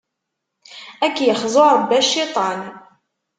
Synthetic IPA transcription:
ækːjəχzˤoɾɾˤəbːæʃːit̪ˤɑn

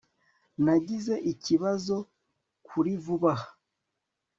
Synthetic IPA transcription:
naɟize̞ʔiciβazo̞ | kʰuɾivuβahḁ

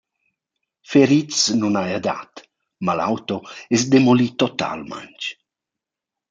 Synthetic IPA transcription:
feɾit͡snunajad̪a̰t̪ | mala̰wt̪oɛsd̪emolit̪ɔt̪a̰lma̰nt͡ʃ

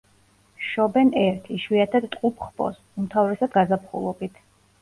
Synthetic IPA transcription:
ʃɔbɛnɛɾt̪ʰiʃwiat̪ʰad̪t̪ʼqʼupʰχpʰʼɔ̰s | umt̪ʰavɾɛsad̪ɡazapʰχṵlˠɔbit̪ʰ

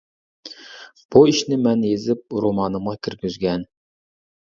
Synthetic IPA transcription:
b̥uiʃnɪmɛnjezɪp̚ɾomɑːnɨmʁɑkʲʰyɾɡʲyzɡʲɛn

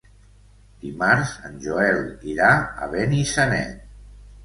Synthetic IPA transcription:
d̪̥imaɾzənʲʒoɛliɾaə̰βenisənɛ̰t̪

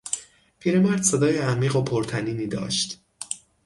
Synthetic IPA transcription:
pʰiːɾe̞mæɾd̪̥se̞d̪ɒːjeæmiːɣopʰoɾt̪ʰæniːniːd̪ɒ̰ːʃt̪

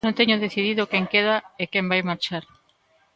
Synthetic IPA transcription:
õnt̪eɲʊðeθiðiðʊkeŋkeðaekẽmbajmaɾt͡ʃaɾ

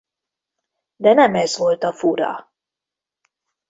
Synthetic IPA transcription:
d̪ɛnɛmɛzʋo̞lt̪ɒfuɾɒ̰

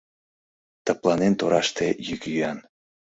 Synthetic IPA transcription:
t̪ə̆plɑnent̪oɾɑʃt̪ejykjyɑn

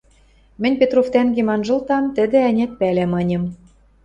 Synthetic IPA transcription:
mɘ̆nʲpʲet̪roft̪æŋɡemɑnʒɤ̆lt̪ɑmt̪ɘ̆d̪ĕænʲæt̪̚pælæmɤ̆nʲɤ̆m

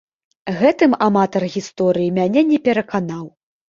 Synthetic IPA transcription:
ɣɛt̪ɨmamat̪ɐrɣʲist̪ɔɾɨjimʲanʲɛnʲɛpʲɛɾɐkanaw

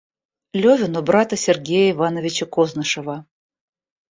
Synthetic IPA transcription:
lʲovʲɪnɔbɾat̪əsʲɪrɡʲejəivanəvʲɪt͡ɕəkoznɨʂəvə

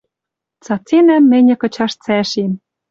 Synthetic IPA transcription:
t͡sɑt͡senæmːɘ̆nʲɤ̆kɤ̆t͡ɕɑʃt͡sæʃem

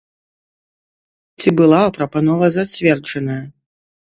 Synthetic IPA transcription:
t͡sʲibɨlˠaɐpɾɐpanɔvɐzat͡sʲvʲɛrd͡ʐɐnɐjɐ

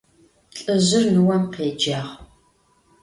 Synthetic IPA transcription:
ɬʼɨʑɪrnɨwɐmqeːd͡ʒaːʁ

